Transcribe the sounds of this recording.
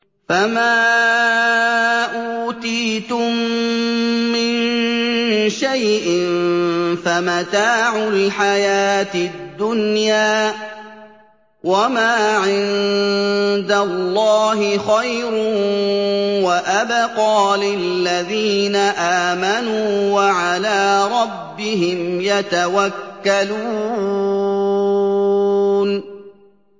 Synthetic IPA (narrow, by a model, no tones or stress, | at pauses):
famaː | ʔuːt̪iːt̪ʊmː | ɪn | ʃajʔɪnfamat̪aːʕʊlħajaːt̪ɪd̪ːʊnjaː | wamaːʕɪn | d̪alːɑːɦɪxajɾ | waʔabaqɑːlɪlːaðiːnaʔaːmanuːwaʕalaːɾˤɑbːɪɦɪmjat̪awakːaluː | n